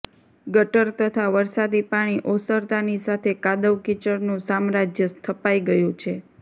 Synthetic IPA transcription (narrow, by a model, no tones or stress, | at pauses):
ɡəʈəɾt̪ət̪ʰaʋəɾsad̪ipaɽ̃iʔosəɾt̪anisat̪ʰekad̪əʋkit͡ʃəɾnũsamɾad͡ʒjəst̪ʰəpaiɡəjũt͡ʃʰe